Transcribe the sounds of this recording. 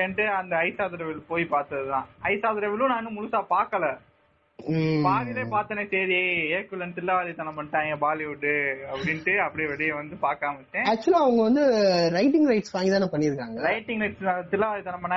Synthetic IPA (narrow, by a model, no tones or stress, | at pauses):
ɛnʈɯɐnd̪ɐɐɪsaːðɐɾɐʋɪlpoːjipaːɾt̪ɐðɯt̪ãːɐɪsaːðɐɾɐʋɪlũnaːnɯmʊlʊsaːpaːɾkɐlɐ | baːlɪleːpaːɾt̪ːɐnesɛjɾeeːkːɯlɐnt̪ɪlːɐʋaːlit̪ɐnɐ̃mpɐɳʈːãːɛŋɡɐbaːliʋʊʈːɯɐpːɐɽɪnʈɯɐpːɐɽiʋɛɽɐjɐʋɐnd̪ɯpaːɾkaːmɐʈːẽːaːk̚t͡ʃʊɐlaɐʋɐŋɡɐʋɐnd̪ɯɾɐɪʈɪŋɡɾɐɪʈsʋaːŋɡɪt̪ãːnãːpɐɳːɪɾɯkːaːŋɡɐɾɐɪʈːɪŋɡɾɐɪʈsnaːt̪ɪlːɐʋaːðit̪ɐɳɐmpɐɳːã